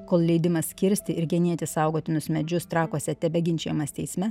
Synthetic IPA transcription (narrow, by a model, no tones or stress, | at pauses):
koːlˠlʲɛɪd̪ʲɪmɐssʲkʲɪɾʲsʲt̪ʲɪɪɾɡʲɛnʲiɛt̪ʲɪsɑʊɡoːt̪ʲɪnʊsmʲɛd͡ʒʲʊst̪ɾɑːkuɔsʲɛt̪ʲɛbʲɛɡʲɪnʲt͡ʃʲɛjmɐst̪ʲɛɪsʲmʲɛ